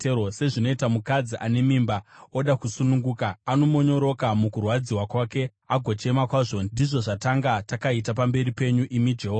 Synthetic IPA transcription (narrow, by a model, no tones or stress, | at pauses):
ose̞ʐino̞itamukad͡ziʔane̞mimbao̞ɗakusunuŋɡuːkaano̞mo̞ɲo̞ɾo̞kamukurwad͡ziwakwaːke̞ | aɡʱo̞t͡ʃe̞makwaʐo̞ndiʐo̞ʐataŋɡatakaitapambe̞ɾipe̞ɲuʔimid͡ʒeɦo